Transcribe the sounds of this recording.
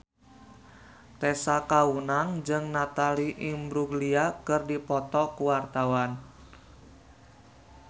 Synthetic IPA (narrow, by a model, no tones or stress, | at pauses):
t̪ɛsakaunaŋd͡ʒɨŋnat̪aliʔimbɾuɡliakɨrdipɔt̪ɔkuwart̪awan